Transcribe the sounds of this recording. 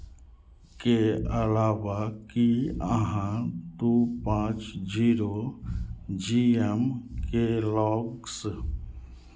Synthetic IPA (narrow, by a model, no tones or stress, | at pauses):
keəlaʋakiəɦãt̪upãt͡ʃd͡ʒiɾo | d͡ʒiemkelɔːɡks